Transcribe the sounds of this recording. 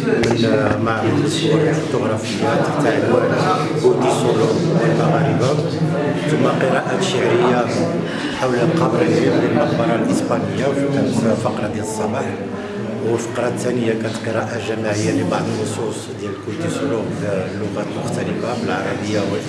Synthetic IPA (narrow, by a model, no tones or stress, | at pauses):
mənmaʕəd̪əsuləlfut̪ʊɣɾˤɑfəjːat̪ə̥t̪aʕəlæ | kut̪isuluməlmaɣæɾəba | t̪ʊmːæqəɾɑʔaʃəʕɾəjːa | ħawləlqɑbɾəlimd̪jælmɑxbɑɾˤɑlʔəspænəjːawʃikænət̪fɑqɾˤɑd̪jæləsˤːɑbɑħ | wəlfɑ̥qɾˤɑt̪ːænəjːakænət̪qəɾˤɑʔaʒæmaʕəjːalibɑʕd̪ˤənːosˤusˤ | d̪jæləlkut̪isulumlːʊɣæt̪mʊxt̪æləfabəlʕɑɾˤɑbəjːawəl